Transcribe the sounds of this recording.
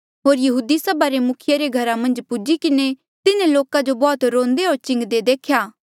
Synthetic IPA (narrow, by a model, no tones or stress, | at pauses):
ɦoːɾjɐɦuːd̪isɐbaɾemʊkʰɪjaɾeɡʱɐɾamɐ̃nd͡ʒpud͡ʒikɪne | t̪ɪnẽloːkad͡ʒobɔːt̪ɾõːnd̪eɦoːɾt͡ʃɪ̃ŋɡd̪ed̪eːkʰjaː